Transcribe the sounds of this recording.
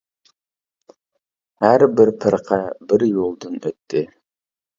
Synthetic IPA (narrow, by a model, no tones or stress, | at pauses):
hæɾbɪɾpʰɨɾqʰɑbɪɾjolˠd̪ɨnøt̪ʰːɪ